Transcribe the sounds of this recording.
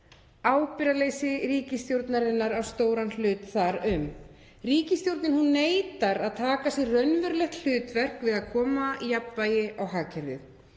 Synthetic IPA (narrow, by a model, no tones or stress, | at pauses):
aːwpɪɾalejsɪɾiːcɪst̪jowɾt̪naɾɪnːaɾawst̪oːwɾanl̥ʏːt̪θaɾʏm | riːcɪst̪jowɾt̪nɪnhunːeːjt̪aɾaðt̪ʰaːkasɛrrœɥnvʏɾlɛxt̪l̥ʏːt̪vɛr̥kvɪðaðkʰɔːmaijapːajɪʔawɦaːcʰɛɾðɪ̰ð